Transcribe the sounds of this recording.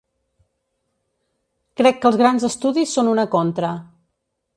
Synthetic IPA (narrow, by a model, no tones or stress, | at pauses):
kɾɛkːəlˠzɣɾanzəst̪uðisːonunəkont̪ɾə